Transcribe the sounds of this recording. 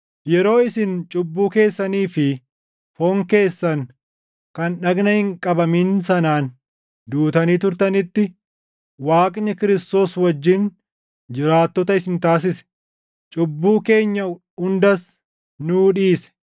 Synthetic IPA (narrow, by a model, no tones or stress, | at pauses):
jɛɾo̞ːɪsɪnt͡ʃʼʊbːuːke̞ːsːɐniːfɪ | foːŋke̞ːsːɐŋ | kɐnɗɐɡnɐhɪŋkʼɐbɐmiːnsɐnaːn | d̪uːt̪ɐniːt̪ʊɾt̪ɐnɪt̪ːɪ | waːkʼnɪkɪɾɪst̪o̞ːswɐd͡ʒːɪn | d͡ʒɪɾaːt̪ːɔt̪ɐɪsɪnt̪aːs̬ɪsɛ̥ | t͡ʃʼʊbːuːke̞ːɲːɐ | hʊnd̪ɐs | nuːᶑiːsɛ̥